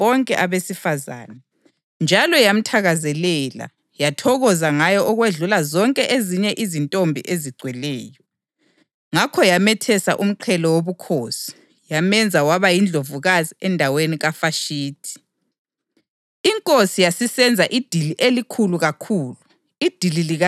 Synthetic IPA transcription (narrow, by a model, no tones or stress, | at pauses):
βɔŋkʼɛ̰ʔaβesifaza̰ːnɛ | nd͡ʒʱalɔjam̩tʰaɣazɛlɛla̰ | jatʰɔɣɔzaŋajɔʔɔɣweɮulazɔŋkʼɛʔeziɲɛʔizintʼombʱḭʔeziɡ͡ǀʱwɛlɛːjɔ | ŋakʰɔjamɛtʰɛsa̰ʔum̩ǃʰɛlɔwoβukʰoːsi̥ | jamɛnd͡zʱawaβajind͡ɮʱovuɣaziɛndʱaweniɣafaʃiːtʰi̥ | iŋkʼosijasisɛnd͡zʱaʔid̥ʱiliʔelikʰuluɣakʰuːlu | id̥ʱililiɣa